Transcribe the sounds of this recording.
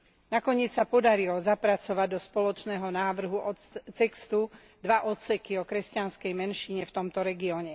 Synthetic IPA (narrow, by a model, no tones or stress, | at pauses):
nakɔɲɪɛt͡ssapɔd̪aɾilɔzapɾat͡sɔʋaɟd̪ɔspɔlɔt͡ʃnɛːɦɔnaːʋr̩ɦuʔɔt̪ɛkst̪u | d̪ʋaʔɔt̪sɛkiɔkɾɛscanskɛjmɛnʃiɲɛft̪ɔmt̪ɔɾɛɡiɔɲɛ